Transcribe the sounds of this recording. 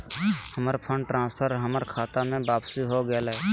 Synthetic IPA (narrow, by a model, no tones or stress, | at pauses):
həməɾpʰə̃ɳɖʈɾãːnspʰəɾɦəməɾkʰaːt̪amẽbaːbsiɦoɡəelɛ